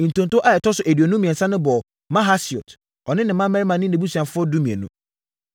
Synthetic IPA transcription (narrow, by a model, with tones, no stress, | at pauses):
n̩˨tʰõ˨ntʊ˦ʔa˦˨ɛ˨tʰɔ˦sʊ˨ʔæ˨dɥo˨nũ˦mĩ˨ɛ̃˨sã˦nɪ̃˦bɔ˨ | mã˦ɦa˦si˨ɔ˨t | ɔ˨nɪ̃˦nɪ̃˨mã˦mɛ˦ɾi˦mã˨nɪ̃˦nɪ̃˨˦bu˦su˨ã˨fʊ˦ɔ˦du˦mĩ˨ḛ˨nṵ̃˦